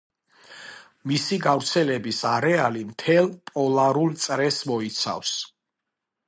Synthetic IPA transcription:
misiɡavɾt̪sʰɛlɛbisaɾɛalimt̪ʰɛlˠpʼɔlˠaɾult̪sʼɾɛsmɔit̪sʰa̰fs

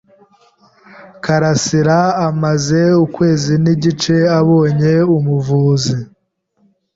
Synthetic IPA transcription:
kaɾasiɾaamaze̞ukwe̞ːziniɟit͡ʃe̞aβo̞ːɲe̞umuvuːzi

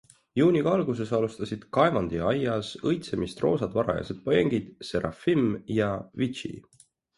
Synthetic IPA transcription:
juːniɡɑɑlɡuse̞sɑlust̪ɑsid̪̥kɑe̞vɑnd̪̥iɑjɑsɤjt̪se̞mist̪ro̞ːsɑd̪vɑɾɑ̰jɑ̰sed̪̥̚poje̞ŋɡ̥id̪̥se̞ɾʔɑ̰fimjɑvit͡ʃḭ

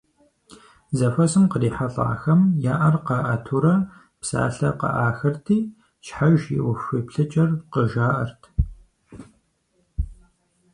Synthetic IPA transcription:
zɐfɐsɨmqəriːħaɬa̰ːxɐmjaːʔɐrqɐʔɐtʰuɾɐ | psa̰ːɬɐqɐ̰ʔaːxɐrtʰiː | ʃħaʒḭʔʷʊfipɬɨt͡ʃʼɐrqəʒaːʔɐrtʰ

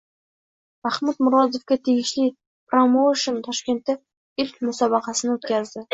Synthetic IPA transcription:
mahmʊd̪mʊɾɒd̪ofɡʲat̪ʰeɡʲɪʃli | pɾomowʃont̪ʰɒʃkʲe̞nt̪ːɪ | ɪlkʲmʊsɒbɑqʰɑsɪnɪot̪kʲʰazd̪ɪ

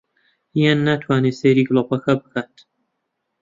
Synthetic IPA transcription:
ijanːat̪ʰwaːneseɾiːɡlopɐkʰabɨkʰaːt̪

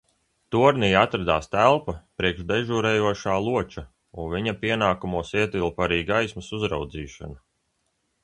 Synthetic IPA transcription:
t̪uɔɾnijat̪ɾad̪aːst̪ælˠpapɾiɛkʃd̪eʒuɾɛːjuɔʃaːlˠuɔt͡ʃa | unvʲiɲapiɛnaːkumuɔsiɛt̪ilˠpaɾiːɡajsmɐsuzɾa̰wd̪ziːʃa̰na

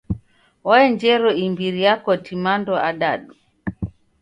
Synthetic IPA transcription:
waɛɲd͡ʒɛɾɔimbiɾijakɔtimandɔʔaɗaɗu

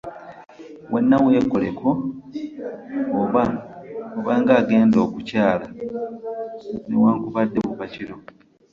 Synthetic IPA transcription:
we̞nːawe̞ːkole̞kʰo̞ | βaoβaːŋɡaːɡe̞ːndo̞ːkucaːla | newaːŋkuβadːeβuβaciɾo̞

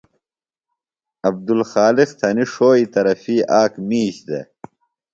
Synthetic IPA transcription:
ɐb̚d̪ulxaːlixt̪ʰɐniʂoːit̪ɐɾɐfiːʔaːkmiːɕd̪ḛ

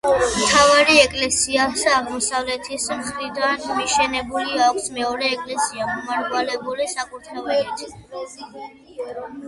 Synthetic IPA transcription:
mt̪ʰavaɾiɛkʼlɛsiasːʁmɔsavlɛt̪ʰismχɾid̪anmiʃɛnɛbuliakʷʰsmɛɔɾɛːkʼlɛsiamɔmaɾd̪ʼwalɛbulisakʼuɾt̪ʰɾɛɛʃɛt̪ʰ

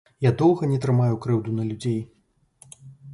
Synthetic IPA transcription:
jad̪ɔwɣɐnʲɛt̪ɾɨmajukɾɛwd̪unɐlʲud͡zʲej

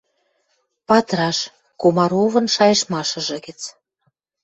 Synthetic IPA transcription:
pɑt̪ɾɑʃ | kumɑɾuvɤ̆nʃɑjɤ̆ʃmɑʃɤ̆ʒɤ̆ɡə̆t͡s

